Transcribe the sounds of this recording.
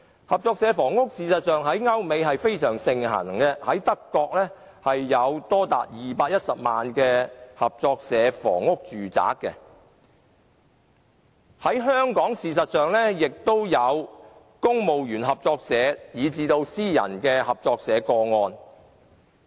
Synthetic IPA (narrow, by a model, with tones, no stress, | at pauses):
hɐ˨p̚t͡sɔː˧k̚sɛː˨˧˥fɔː˨˩ŋʊ˥k̚siː˨sɐ˨t̚sœː˨˧ŋɦɐ˨˥jŋɐ˥wme˨˧jɦɐ˨jfe˥jsœː˨˩ŋsɪ˨ŋɦɐ̰˨˩ŋkɛ˧hɐ˨˥jt̪ɐ˥kːɔː˧k̚lɛː˥ | hɐ˨jːɐ˨˧wt̪ɔː˥t̪a̰ː˨t̚jiː˨paː˧t̚jɐ˥t̚sɐ˨p̚maː˨nkɛ˧hɐ˨p̚t͡sɔː˧k̚sɛː˨˧˥fɔ̰ː˨˩ŋːʊ˥k̚t͡ʃyː˨t͡sa̰ː˨˥kːɛ̰˧ | hɐ˨˥jɦœː˥ŋkɔː˨˥ŋsiː˨s̬ɐ˨t̚sœː˨ŋlɛ˥jɪ˨k̚t̪o˥wjɐ˨˧w | kʊ˥ŋmo˨wjyː˨˩nɦɐ˨p̚t͡sɔː˧k̚sɛː˨˧˥jiː˨˧t͡siː˧t̪o˧wsiː˥jɐ̰˨˩nkɛː˧hɐ˨p̚t͡sɔː˧k̚sɛː˨˧kɔː˧ŋɔː˧n